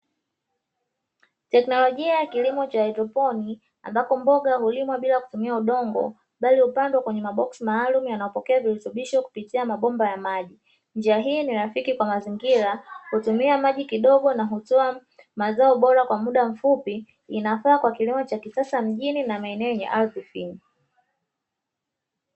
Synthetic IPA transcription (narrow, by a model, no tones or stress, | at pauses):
tɛknɔlɔʄiajakilimɔt͡ʃaɛdɾɔpɔni | a̰mbakɔmbɔɠaɦulimwaɓilaku̥tumiauɗɔŋɡɔ̰ | ɓalihupandwakwɛɲɛmaɓɔksimaːlumjanaɔpɔkɛaviɾɛtuɓiʃɔku̥pitiamaɓɔmbajamaʄi | nd͡ʒiaɦiːniɾafikikwamaziŋɡiɾahutumiamaʄikiɗɔɠɔnaɦutɔa | mazaɔɓɔɾakwamuɗam̩fupiː | nafaːkwakilimɔt͡ʃakisasam̩ʄininamaɛnɛɔɲɛ̰ʔalpifini